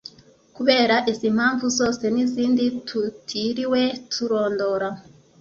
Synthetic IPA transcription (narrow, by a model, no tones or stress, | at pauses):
kuβe̞ːɾaʔizimhaːɱvuzo̞ːse̞niziːnditʰutʰiɾiwe̞tʰuɾo̞ːndo̞ɾa